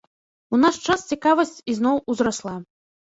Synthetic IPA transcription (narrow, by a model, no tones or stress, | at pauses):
unaʂt͡ʂast͡sʲikavɐsʲt͡sʲiznɔwuzɾaslˠa